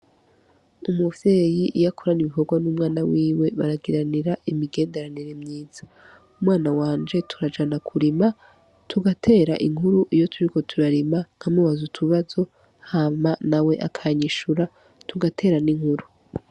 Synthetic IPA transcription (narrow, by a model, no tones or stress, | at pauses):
umuvje̞jiʔijakʰoɾaniβikoɡwanumŋaːnawiːwe̞βaɾaɡiɾaniɾaʔimiɡe̞ːnde̞ɾaniɾe̞mɲiːz̥ḁ | umŋaːnawaːnd͡ʒe̞tʰuɾad͡ʒanakʰuɾima | tʰuɡatʰe̞ːɾa̰ʔiŋ̥huɾuʔijo̞tʰuɾiko̞tʰuɾaɾimaŋ̥hamuwazutʰuβazo̞ | hamanawe̞ʔakʰaɲiʃuɾa | tuɡatʰe̞ːɾaniŋhuɾu